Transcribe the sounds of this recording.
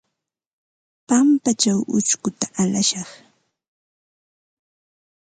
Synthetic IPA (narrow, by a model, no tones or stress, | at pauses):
pampat͡ʃawʔʊ̰t͡ʃkʊt̪aʔalaʃɑχ